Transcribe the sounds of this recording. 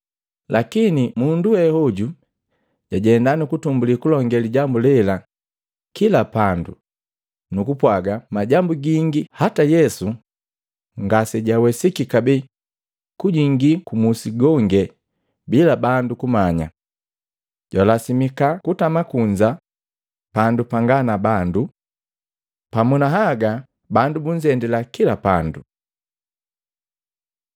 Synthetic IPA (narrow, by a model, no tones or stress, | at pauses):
lakinimunduwɛhɔɟu | ɟ̥aɟɛndanikutumbulikulɔŋɡɛliɟambulɛla | kilapandṵ | nukupwaɡamaɟambuɡiŋɡihatajɛsu | ŋɡasɛɟawɛsikikabɛ | kuɟiŋɡikumusiɡɔŋɡɛ | bilabandukumaɲa̰ | ɟwalasimikakutamakuɲd͡ʒa | pandupaŋɡanabandu | pamunaɦaɡa | bandubuɲd͡ʒɛndɛlakilapandu